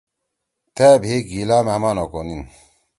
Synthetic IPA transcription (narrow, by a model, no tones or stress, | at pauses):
t̪æbʱeɡilaːmeɐmaːnokonin